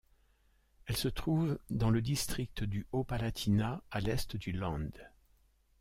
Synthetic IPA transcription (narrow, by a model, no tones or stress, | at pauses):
ɛlsət̪χuvd̪ɑ̃ləd̪ist̪χik̚t̪d̪yopalat̪ʰinaalɛst̪d̪ylɑ̃d̪